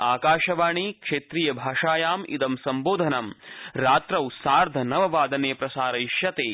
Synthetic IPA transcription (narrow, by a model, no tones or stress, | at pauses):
aːkaːʃɐʋaːɳikʂeːt̪ɾijɐbʱaːʂaːjaːmḭd̪ɐmsɐmboːd̪ʱɐnɐmɾaːt̪ɾɐwsaːɾd̪ʱɐnɐʋɐʋaːd̪ʱɐneːpɾɐsaːɾɐjʃjɐt̪eː